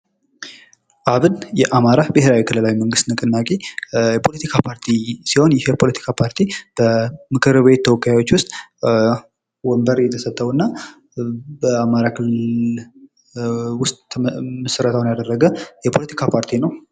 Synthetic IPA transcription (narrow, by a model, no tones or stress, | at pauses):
ʔaβɨnjɛʔamaɾabɨheɾawikʰɨləlawiməŋɡɨst̪nɨkʼɨnːakʼejɛpʰo̞lət̪ʰikʰapʰaɾt̪ʰisiho̞njɪhjɛpʰo̞lət̪ʰi̥kʰapʰaɾt̪ʰib̥əmɨkʰɨɾbe̞t̪ʰːəwɔkːajawo̞t͡ʃːwʊst̪ʼ | wɔmbəɾjɛt̪ʰəsət̪ʰʼːəwɨnːa | bəamaɾakʰɨllɨ | wʊst̪ʼməsəɾət̪ʰəwnjad̪ərːəɡəjɛpʰo̞lət̪ʰikʰapʰaɾt̪ʰinəw